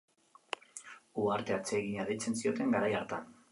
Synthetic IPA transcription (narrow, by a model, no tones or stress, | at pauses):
uaɾt̪e̞at͡se̞ɣiɲaðet͡se̞nsio̞t̪e̞ŋɡaɾajaɾt̪an